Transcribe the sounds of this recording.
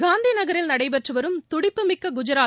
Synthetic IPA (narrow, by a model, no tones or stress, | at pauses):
ɡaːnd̪inɐɣɐɾɪlnɐɽɐɪpɛʈrɯʋɐɾɯmt̪ʊɽɪpːɯmɪkːɐɡʊd͡ʒɐɾaː